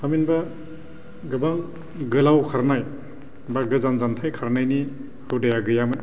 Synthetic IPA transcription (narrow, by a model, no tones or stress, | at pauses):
paminba | ɡɯbaŋ | ɡɯlawkʰaɾnaj | baɡɯzanzantʰajkʰaɾnajni | hɯwdajaɡɯjamɯn